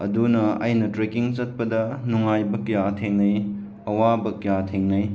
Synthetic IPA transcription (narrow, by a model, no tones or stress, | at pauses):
ɐ̰dunɐɐjnɐtɾekiŋt͡ʃɐt̚pɐdɐnuŋajbɐkjatʰeŋnɐj | ɐwabɐkjatʰeŋnɐj